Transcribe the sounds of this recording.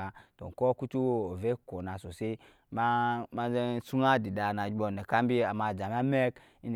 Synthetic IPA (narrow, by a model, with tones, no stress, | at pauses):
a˨to̰˨ŋ˨kɔ˦ku˦tu˦wo˦o˨ve˦ko˨na˨so˨se˦ | ma˦ma˦ze˦su˦na˦di˨da˨na˨d͡ʒbɔ˨ne˨ka˦m˦bi˦a˨ma˧˨d͡ʒa˨m˦a˦me˦k | i˦n